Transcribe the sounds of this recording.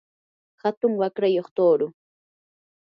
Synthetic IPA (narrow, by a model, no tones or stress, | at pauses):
hat̪ʊŋwakɾajoχt̪oːɾʊ